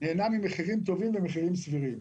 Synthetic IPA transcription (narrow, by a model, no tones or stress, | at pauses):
neːnamimeχiʁimt̪̬ovimvɛmeχiʁimsviʁim